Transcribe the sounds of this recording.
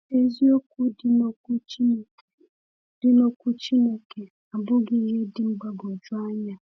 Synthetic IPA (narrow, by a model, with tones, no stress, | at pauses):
e˦zi˦o˦kʷu˦dno˦ku˦˨ | dɪ˦no˦kʷu˦t͡ʃi˦ne˦ke˨ | a˨bʊ˦ɡɪ˦ɦe˦dɪ˦m̩˦ɡ͡ba˦ɡo˨d͡ʒʊ˦a˦ɲa˦